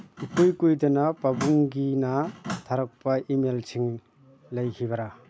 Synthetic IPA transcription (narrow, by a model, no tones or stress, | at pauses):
ikujkujdɐnɐpabuŋɡinat̪ʰaɾɐk̚pɐʔimelsʰiŋ | lɐjkiβɐɾa